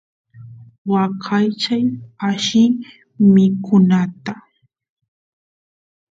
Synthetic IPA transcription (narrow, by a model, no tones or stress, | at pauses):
wakʰajt͡ʃajaʃɪ | mɪkʊnat̪a